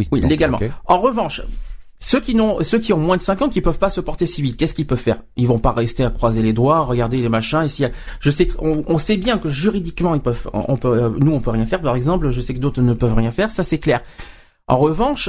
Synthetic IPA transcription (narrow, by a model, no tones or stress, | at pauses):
iwileɡalmɑ̃ɑ̃ʁəvɑ̃ʃ | søkʲinɔ̃søk̬ʲiɔ̃mwɛ̃d̪əsɛ̃kɑ̃kʲipœvpasəpɔʁt̪esivit̪kʲɛskilpœv̥fɛ̰ʁilvɔ̃paʁɛst̪eakχwazeled̪waʁəɡaʁd̪elemaʃɛ̃esiaʒəsɛt̪ɔ̃ɔ̃sɛbjɛ̃kəʒyʁid̪ikmɑ̃ilpœv̰ɔ̰̃pønuɔ̃pøʁjɛ̃fɛʁpaʁɛɡzɑ̃plʒəsɛkəd̪ot̪χənəpœvʁjɛ̃fɛʁsasɛklɛːʁ | ʔɑ̰̃ʁəvɑ̃ʃ